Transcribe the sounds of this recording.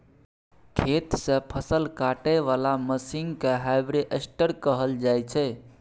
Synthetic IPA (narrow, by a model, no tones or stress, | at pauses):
kʰet̪sə̃pʰəsəlkaʈəʋalaməsiŋɡkeɦajbɾeʔesʈəɾkəɦəld͡ʒajt͡ʃʰɛ